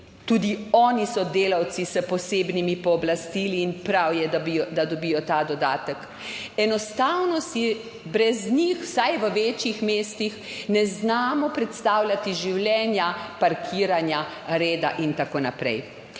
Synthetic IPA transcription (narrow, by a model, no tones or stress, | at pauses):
t̪uːd̪iɔːnisɔd̪eːlawt̪sisəpɔseːbnimipɔːblast̪iːliːnpɾawjɛd̪ad̪ɔbiːjɔt̪aːd̪ɔd̪aːt̪ək | ɛnɔst̪awnɔsi | bɾɛznixw̥sajʋəʋeːt͡ʃixmeːst̪ix | nɛznaːmɔpɾɛt̪st̪aːwlʲat̪iʒiwlʲjɛːnjapaɾkʰiːɾanja | ɾeːd̪aʔint̪akoːnapɾɛ̰j